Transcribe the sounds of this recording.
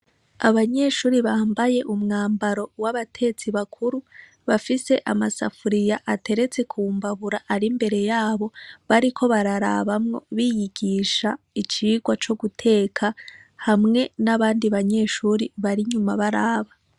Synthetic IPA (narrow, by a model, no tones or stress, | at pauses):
aβaɲe̞ʃuːɾiβaːmbaje̞ʔumŋaːmbaɾo̞waβatʰe̞t͡siβakʰuɾu | βafise̞ʔamasa̰fuɾijaʔate̞ɾe̞t͡se̞kʰuːmbaβuɾaʔaɾimbe̞ɾe̞jaːβo̞βaɾikʰo̞βaɾaɾa̰βamŋo̞̰βijiɡiʃa | it͡ʃiːɡwat͡ʃo̞ɡutʰe̞ːkʰahamŋe̞naβaːndiβaɲe̞ʃuːɾiβaɾiɲumaβaɾaːβa